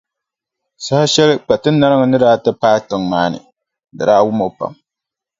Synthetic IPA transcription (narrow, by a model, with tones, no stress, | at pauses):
sa˦ha˦ʃɛ˦lɨ˦k͡pa˨tɨ˦nːa˦ɾɨ˦ŋɨ˨nɨ˦daː˦tɨ˦paː˦tɨ˨ŋmaː˦nɨ̰˨ | dɨ˨ɾaː˦wʊ˦mo˦pa̰˨m